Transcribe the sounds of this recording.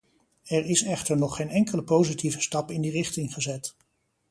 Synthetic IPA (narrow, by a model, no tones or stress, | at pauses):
ɛɹɪsɛχtəɹnɔχejnɛŋkələpowzitivəstɑpɪndirɪχtɪŋχəzɛt